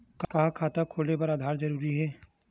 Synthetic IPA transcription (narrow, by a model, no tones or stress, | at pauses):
kkaːkʰaːt̪akʰoːlnepɐɾaːd̪ʱaːɾd͡ʒɐɾuːɾiɦɛː